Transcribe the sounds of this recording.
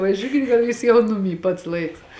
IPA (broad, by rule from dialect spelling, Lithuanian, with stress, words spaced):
ʋɐˈʒʲuːkʲɪt ɡɐlˠ ˈjuːs jɛʊ ˈnʊˌmʲiː pɐts ˈlˠɐɪks